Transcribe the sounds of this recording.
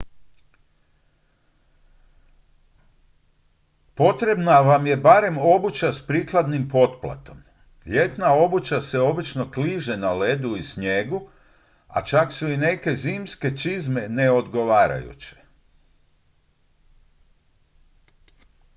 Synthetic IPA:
po̞t̪ɾe̞bnaʋamje̞baɾe̞mo̞but͡ɕaspɾiːklˠad̪nimpo̞t̪plˠa̰t̪o̞m | ʎe̞t̪nao̞but͡ɕase̞o̞bit͡ʃno̞kliʒe̞nale̞d̪uisɲeɡu | a̰t͡ʃaksuine̞ke̞ziːmske̞t͡ʃizme̞ne̞o̞d̪ɡo̞ʋaːɾa̰jṵt͡ɕe̥

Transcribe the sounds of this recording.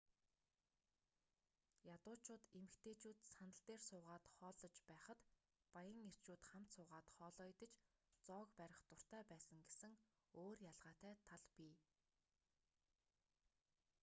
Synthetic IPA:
jat̪ʊːt͡ɕʰʊːt̪emɘ̆kt̪eːt͡ɕuːt̪sanə̆ɬt̪eːrsʊːʁaːt̪χɔːɮɞ̆t͡ɕpæːχə̆t̪ | pajə̆ŋer̥t͡ɕuːt̪χam̥t̪sʊːʁaːt̪χɔːɮɔːjt̪ə̆t͡ɕt͡sɔːkpæɾʲɪ̆χt̪ʊr̥t̪æːpæːsə̆ŋɡesɘ̆ŋ | oːrjaɮʁ̥aːt̪æːt̪ʰaɮpiː

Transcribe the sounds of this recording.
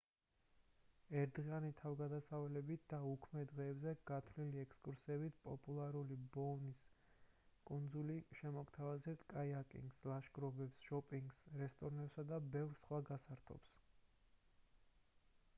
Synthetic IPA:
ɛɾd̪ʁianit̪ʰavɡad̪asavɛlɛbit̪̚ʰd̪̥aukʰmɛd̪ʁɛːbzɛɡ̥at̪ʰvliliɛkʰskʼuɾsɛbit̪ʰpʼɔpʼulˠaɾulibɔnis | kʼund̪zuliʃɛmɔɡt̪ʰavazɛpt̪ʰkʼaiakʼḭŋɡslaʃɡɾɔbɛpsʃɔpʼiŋɡsɾɛst̪ʼɔɾnɛpsad̪abɛvɾsχwaɡasaɾt̪ʰɔ̰ps

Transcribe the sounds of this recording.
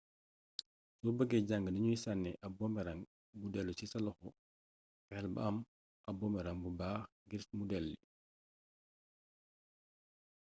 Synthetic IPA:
sɔbəɡɛɟaŋɡənɐɲujisanːɛʔɐbɔmɛɾaŋ | budɛlːusisɐlɔxɔ | pɛlbə̰ɐm | ʔɐbɔmɛɾaŋbubaːx | ɡiɾsmudɛlːi

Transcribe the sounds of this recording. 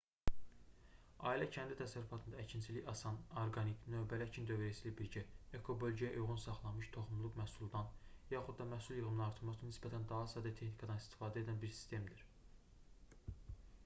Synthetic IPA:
ɑ̰ːilæcʰænd̪it̪ʰæsæɾːufɑt̪ʰɯnd̪ɑæcʰint͡ʃʰiliɑsɑnoɾɡɑniknø̞bælæcʰind̪ø̞vɾæsiːlæbiɾɟæekʰo̞bø̞lʲɟæjæʔujʁunsɑχlˠɑnmɯʃt̪ʰo̞χumlˠuqmæhsulˠd̪ɑnjɑχud̪d̪ɑmæhsulˠjɯɣɯmnɑɾt̪ʰɯlˠmɑsɯnɯnisbæt̪ʰænd̪ɑɦɑsɑːd̪æt̪ʰe̞xnikʰɑd̪ɑnist̪i̥fɑːd̪e̞d̪ænbiɾsi̥st̪e̞md̪iɾ

